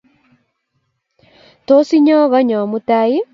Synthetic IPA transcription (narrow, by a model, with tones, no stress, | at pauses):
to˦si˦ɲɔ˦ɣɔ˦ɲɔ˨mu˦ta˦i˦